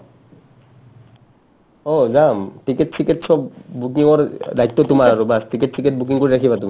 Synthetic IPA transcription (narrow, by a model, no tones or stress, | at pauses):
ɔzamʈiketsʰiketsɔbbukiŋɔɹdajt̪ːɔtumaɹaɹobaskiketʰiket̚buk̬iŋkoɹiɾakʰibatuma